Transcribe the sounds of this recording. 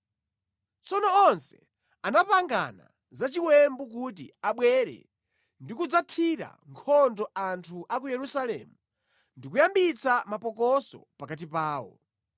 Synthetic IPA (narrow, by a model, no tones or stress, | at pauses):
t͡sɔnɔɔnsɛ | anapaŋɡa̰na̰ | zat͡ʃiwɛmbuk̬ut̬ḭaɓwɛɾɛ̰ | ndikud͡zatʰiɾa̰ŋkʰɔndɔantʰuʔak̬ujɛɾusalɛ̰ːmu | ndikujambit͡samapɔkɔsɔ̰pakat̬ipaːwɔ̰